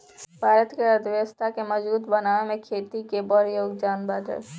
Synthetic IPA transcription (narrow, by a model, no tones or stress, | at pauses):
bʱaːɾət̪keəd̪ʋest̪ʰakeməd͡ʒbuːt̪bɐnaːemẽkʰeːt̪ikebɔɾjoːɡd͡ʒaːnbaːd̪ɦɛ̰ː